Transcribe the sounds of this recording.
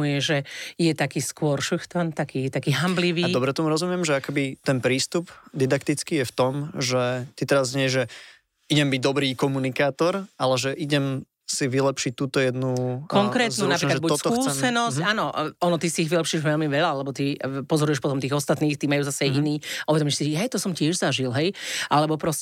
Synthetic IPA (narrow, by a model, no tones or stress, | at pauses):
ujɛʒɛjɛt̪akiːskʊɔɾʃuxt̪ant̪akiːɛt̪akiːɦambliʋiːdɔbɾɛt̪ɔmuɾɔzumɪɛmʒɛakɛbit̪ɛnpɾiːst̪upd̪id̪akt̪it͡skiːjɛft̪ɔmʒɛt̪it̪ɛɾazɲɪɛʒɛ | iɟɛmbiɟ̚d̪ɔbɾiːkɔmunikaːt̪ɔɾalɛʒɛʔiɟɛm | siʋilɛpʃic̚t̪uːt̪ɔjɛd̪nukɔŋkɾɛːt̪nunapɾikaʒɛbust̪kuːsɛnɔsaːnɔɔnɔt̪isiːɣʋilɛpʃiːʒʋɛlmiʋɛʎaalɛbɔt̪ipɔzɔɾujɛʃpɔt̪ɔmt̪iːɣɔst̪at̪niːxt̪imajuːzasɛajʔiniːʔuʋɛd̪ɔmɪɛʃsiɛjt̪ɔsɔmcɪɛʒzaʒilɦɛjʔalɛbɔpɾɔs